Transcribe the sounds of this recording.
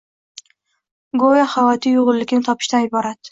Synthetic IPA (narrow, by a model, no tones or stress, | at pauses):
ɡojahavɒt̪ʰijoʁʊlːɪkʲɪnɪt̪ʰɒpʰɪ̥ʃt̪anɪbɒɾat̪